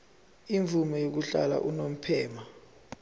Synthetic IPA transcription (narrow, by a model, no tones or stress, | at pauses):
iɱvʱumɔjok̬uɬa̰la̰ʔunom̩pʰɛːma